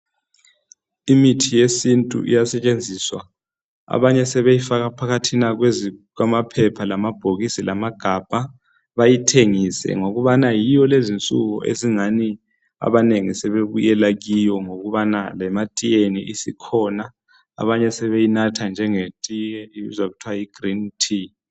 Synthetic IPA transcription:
imitʰijesintʼṵʔḭjasɛt͡ʃʼend͡zʱiswa̰ | a̰βaɲɛsɛβejifaɣapʰakʰatʰinaɣwezkwamapʰɛpʰalamab̥ʱoɣisilamaɡ̥ʱab̥ʱa | βajitʰeŋisɛ̰ŋoɣuβanajijɔlezint͡sʼṵɣṵʔḛziŋani | a̰βaneŋisɛβeβṵjɛlaɣijɔŋoɣuβanalɛmatʼijeniʔisikʰɔna̰ː | βaɲɛsɛβejinatʰand͡ʒʱɛŋetʼijɛḭzaɣutʰwajiɡ̥ʱrintʰi

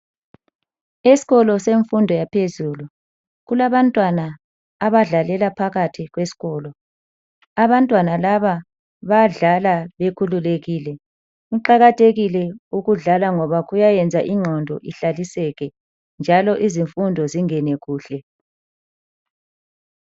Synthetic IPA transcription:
esi̥ɣɔlɔseɱfundʱɔjapʰezuːlu | ɣulaβantʼwanaː | βaɮalɛlapʰaɣatʰiɣwesi̥ɣɔːlɔ | aβantʼwanalaβa | βaɮalaβekʰululeɣiːlɛ | uǃaɣatʰeɣilɛuɣuɮalaŋɔβaɣujajɛnd͡zʱaʔiŋ͡ǁʱɔndʱɔ̰ʔiɬalisɛɣɛ | nd͡ʒʱalɔʔiziɱfundʱɔziŋɛnɛɣuːɬɛ

